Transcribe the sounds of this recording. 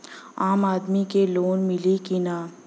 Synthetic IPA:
aːmaːd̪mikeloːnmɪlikinaː

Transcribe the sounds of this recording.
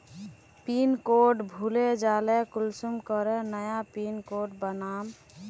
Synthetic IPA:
pinkoʈbʱuled͡ʒalɛkulsumkəɾənəjapinkoʈbənam

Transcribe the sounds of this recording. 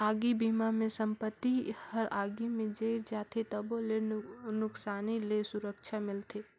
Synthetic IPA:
aːɡibiːmamẽsə̃mpət̪ːihəɾaːɡimẽd͡ʒeɪɾd͡ʒaːt̪ʰet̪ɐbolenʊksaːnilesʊɾəkʃʰamɪlt̪eː

